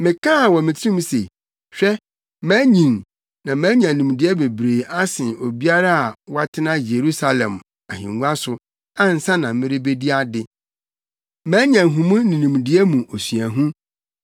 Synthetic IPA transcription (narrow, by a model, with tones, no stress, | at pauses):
mɪ̃˨kʰã˦a˨wɔ˨mɪ̃˨tʰɪ˦ĩ˦mũ˦sḛ˨ | ɕᶣɛ˦ | mæ̃ː˦ɲĩ˨n | nã˨mæ̃ː˦ɲ˦ã˨nũ˨m˨dɪ˦ɛ˦be˨bɾeː˨a˦sɪ̃˨o˨bi˦a˦ɾa˦a˨wa˦tʰɪ˦nã˦je˨ɾu˦sa˨lɛ̰̃˨m | a˨ɦḭ̃˨ŋɡũ˦a˦sʊ˨ | a˦n̩˨sã˦nã˨mɪ̃˦ɾɪ˦be˦di˦a˦dɪ˨ | mãː˦ɲã˨ɦũ˨mũ˦nĩ˨nĩ˨m˨dɪ˦ɛ˦mũ˨o˨sɥæ˨ɦũ˦